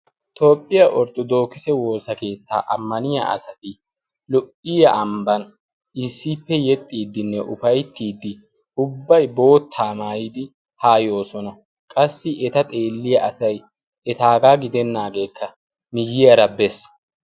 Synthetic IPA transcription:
t̪ʰo̞ːpʼːɪjɐʔɔɾt̪ːɔd̪o̞ːkɪsɛwo̞ːsɐke̞ːt̪ːa̰ːʔɐ̰mːɐnɪja̰ɐ̰sɐt̪ɪ | lɔʔɪjɐʔɐmbɐn | ɪsːipːɛjɛt̪ʼːiːd̪ːɪnːɛʔʊfɐjt̪ːiːd̪ːɪ | ʊbːɐjbo̞ːt̪ʰːaːmaːjid̪ɪ | haːjo̞ːsɔnɐ | kʼɐsːɪʔɛt̪ɐt̪ʼe̞ːlːɪjɐʔɐsɐj | ʔɛt̪aːɡaːɡɪd̪ɛnːaːɡe̞ːkʰːɐ | mɪjːɪjɐɾɐbɛs

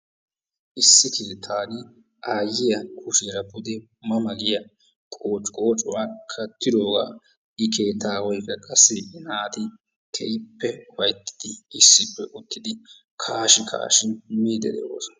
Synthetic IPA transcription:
ʔɪsːɪkʰeːt̪ʰaːnɪ | ʔaːjːɪjɐkʰʊʃeːɾɐbʊd̪ɛ | mɐmɐɡɪjɐ | kʼoːt͡ʃʼkʼoːt͡ʃʼʊwaːkʰɐt̪ːɪd̪o̞ːɡa̰ː | ʔɪkʰe̞ːt̪ːaːwɔjkːɐkʼɐsːɪnaːt̪ɪ | kʰɛjɪpːɛwɐjt̪ːɪ̥d̪̥ɪɪsːɪpːɛʔʊt̪ːɪd̪ɪ | kʰaːʃɪkʰa̰ːʃɪmiːd̪ɛ̰d̪ɛ̰o̰ːsɔ̥

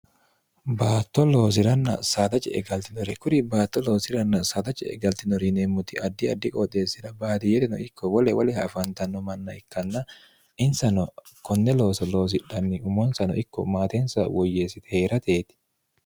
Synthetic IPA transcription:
baːt̪ːɔlo̞ːs̬ɪɾɐnːɐsaːt̪ɐt͡ʃʼɛ̰ʔɛ̰ɡɐlt̪ɪnɔɾɛkʊɾɪbaːt̪ːɔlo̞ːsɪɾɐnːɐsaːt̪ɐt͡ʃɛ̰ɛ̰ɡɐlt̪ɪnɔɾineːmːʊt̪ɪʔɐd̪ːɪɐd̪ːɪkʼɔt̪eːsːɪᶑɐbaːt̪ɪjɛt̪ɪnɔ̰ɪkːɔwɔlɛwɐlɛhɐfɐnt̪ɐnːɔmɐnːɐɪkːɐnːɐ | ʔɪnsɐnɔ | kɔnːɛlo̞ːsɔlo̞ːs̬ɪᶑːɐnːɪʊmɔnsɐnɔ̰ʔɪkːɔ̰maːt̪ɛnsɐwɔjːeːsːɪt̪ɛ̥heːɾɐt̪eːt̪ɪ̥

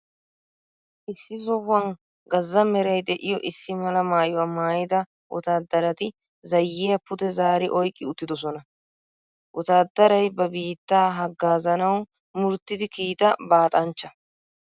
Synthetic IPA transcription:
ʔɪsːɪzɔwːɐŋ | ɡɐzːɐmɛɾɐjd̪ɛʔɪjɔʔɪsːɪmɐlɐmaːjʊwamaːjɪd̪ɐ | ʔʊt̪aːd̪ːɐɾɐt̪ɪ | zɐjːɪjɐpʊd̪ɛzaːɾɪʔɔjkʼːɪʊt̪ːɪd̪ɔs̬ɔnɐ | ʔʊt̪aːd̪ːɐɾɐjbɐbiːt̪ːaːɦɐɡːaːzɐnɐw | mʊɾt̪ːɪd̪ɪkiːt̪ɐbaːt̪ʼɐnt͡ʃːɐ

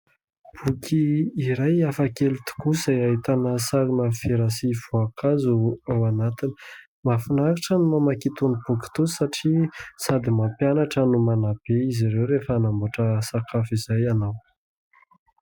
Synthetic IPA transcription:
b̥ukʰiːɾajafakelut̪u̥kuzajaɦit̪anasaɾinəfiɾasiv̥oakʰazuawanat̪ini̥ | mafunakiʈ͡ʂənumamakit̪unibuki̥t̪usaʈ͡ʂisad̪imapjanaʈ͡ʂənumanab̥eizaɾewɾefəanambuʈ͡ʂəsakafizajanaw

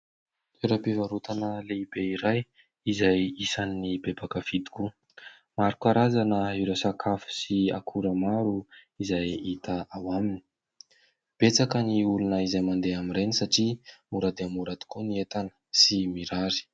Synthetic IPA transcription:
eɾapivaɾut̪anəleibeiɾaj | izajisaninibebakəfid̪i̥ku | maɾikaɾazanəiɾasakʰafu̥siakʰuɾəmaɾuizajit̪əawamini̥ | b̥et͡sakəniulunəizajmand̪eaminɾenisaʈ͡ʂimuɾad̪eamuɾad̪i̥kuniet̪anə̥simiɾaɾi̥

